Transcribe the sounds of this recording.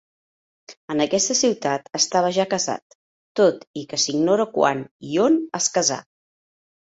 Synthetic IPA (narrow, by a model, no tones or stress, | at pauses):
ənəkɛst̪əsiwt̪at̪əst̪aβ̞əʒakəza̰t̪̚ː | ot̪ikəsiɡnoɾəkwa̰nionəskəza̰